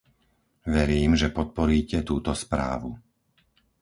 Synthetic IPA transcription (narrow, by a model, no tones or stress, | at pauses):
ʋɛɾiːmʒɛpɔt̪̚pɔɾiːcɛt̪uːt̪ɔspɾa̰ːʋu